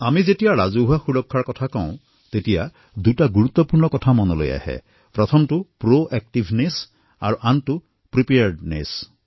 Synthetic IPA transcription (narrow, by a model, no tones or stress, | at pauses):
amizetijaɾazuɦaxuɽɔkʰːaɹkɔt̪ʰakaw̃ | t̪etija | d̪uʈaɡuɾut̪ːɔpuɹnɔkɔtʰamɔnɔlo̰ja̰hɛ̰ | pɾɔt̪ʰɔmtupɾoʔɛk̚ʈibʱnes | aɹuʔantu | pɾipeaɾɖnḛs